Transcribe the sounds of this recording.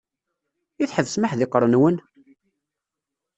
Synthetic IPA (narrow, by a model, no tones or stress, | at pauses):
iθħəvsməħðɪqɾˤənwən